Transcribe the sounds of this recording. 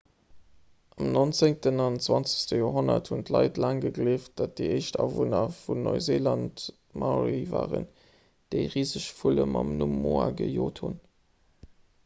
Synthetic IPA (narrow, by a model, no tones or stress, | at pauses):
ʔɑmnont͡seŋtənɑntt͡swɑnt͡sə̥stəjoːɦonɐthuntlɑ̰ɪtlaːŋɡəɡleːft̚d̥at̚d̥iəɪʃtɑːvonɐfunnːoɪzelɑnt | mʔɑʁivaːʁən | d̥əɪʁiːzəʃfuləmɑmnumoːɐɡəjoːthun